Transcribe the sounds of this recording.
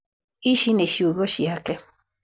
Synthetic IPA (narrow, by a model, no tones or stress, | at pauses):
iʃineʃiuɣɔʃiakɛ